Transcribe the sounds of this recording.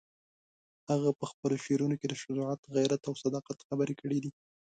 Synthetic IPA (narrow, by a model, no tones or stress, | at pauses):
haɣapəxpəloʃeɾunoked̪əʃʊzʊʕɑt̪ɣajɾat̪awsad̪ɑqat̪xabəɾekəɽid̪i